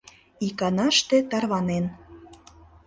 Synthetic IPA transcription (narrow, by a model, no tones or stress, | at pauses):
ikɑnɑʃt̪et̪ɑrβɑnen